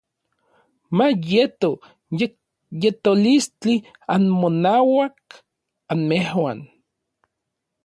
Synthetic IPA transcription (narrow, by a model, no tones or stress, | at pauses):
majet̪o | jet̪olist͡ɬi | anmonaːwak̚ | anmehwan